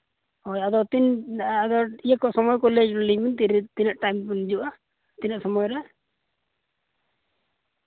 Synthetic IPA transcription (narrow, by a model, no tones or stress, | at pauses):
ɔjad̪ɔt̪inad̪ɔijakɔsɔmɔjkɔled͡ʒlimint̪iɾt̪inaʔʈajmpund͡ʒuʔa | t̪inaʔsɔmɔjɾa